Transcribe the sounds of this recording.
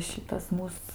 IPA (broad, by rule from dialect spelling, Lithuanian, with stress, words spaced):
ˈʃʲɪtɐs ˈmuːs